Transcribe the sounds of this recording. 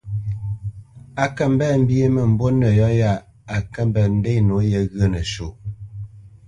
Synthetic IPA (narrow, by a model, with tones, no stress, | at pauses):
a˨kə˦m˦bɛ˦˨m̩˦bje˦mə˨m̩˨bo˦nə˨jɔ˦ja˦˨ | a˨kə˦m˨bə˨n̩˦de˦no˨˦jə˦ɣə˦nə˨ʃo˨